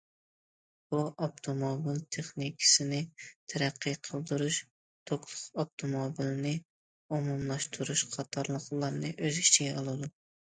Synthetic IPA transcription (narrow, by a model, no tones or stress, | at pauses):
buɑpt̪ʰomobilt̪ʰeχnikʲʰɪ̥sɪnɪt̪ʰɛɾæqʰːijqʰəlˠd̪uɾuʃ | t̪ʰoklˠʊqɑp̚t̪ʰomobilnɪ | omumlˠɑʃt̪ʰuɾuʃqʰɑt̪ʰɑɾlˠəqlˠɑɾnɨʔøzit͡ʃʰiɡʲɛɑlˠɨd̪u